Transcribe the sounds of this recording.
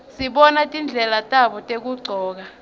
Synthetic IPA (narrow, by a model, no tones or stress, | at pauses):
siɓɔnatʼind͡ɮʱɛlatʼaɓɔtʼek̬uɡ͡ǀʱɔːk̬a